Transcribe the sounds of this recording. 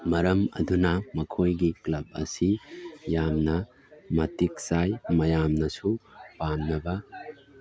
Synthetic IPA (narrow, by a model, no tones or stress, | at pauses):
mɐɾɐmɐ̰dunɐmɐkʰojɡiklɐb̚ɐ̰sijamnɐ | mɐtik̚sajmɐjamnɐsupamnɐbɐ